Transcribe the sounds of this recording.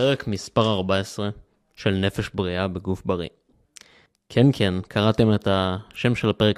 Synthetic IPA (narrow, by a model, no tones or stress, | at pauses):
eʁekmispaʁaʁbae̞sʁe̞ | ʃe̞lne̞feʃbʁiabeɡufbaʁḭ | kʰenkʰenkʰaʁat̪e̞me̞taʃe̞mʃe̞lape̞ʁek